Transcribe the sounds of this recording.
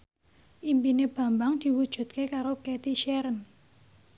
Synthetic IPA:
ʔimpineb̥ä̤mbaŋd̪̥i̤wud̥ʒ̥ṳt̪̚kekaɾoket̪iʃɛɾən

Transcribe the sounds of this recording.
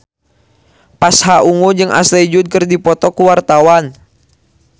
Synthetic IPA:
pashaʔuŋud͡ʒɨŋʔa̰slɛd͡ʒud̪̚kɨrdipɔt̪ɔkuwart̪awan

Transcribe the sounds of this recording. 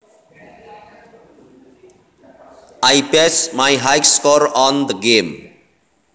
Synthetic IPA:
ajpesmajɦajkskɔɾɔnd̪ɡem

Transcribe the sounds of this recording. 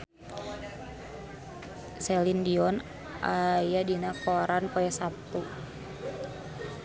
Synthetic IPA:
sɛlindiɔn | ʔajadinakɔɾanpɔɛsap̚t̪u

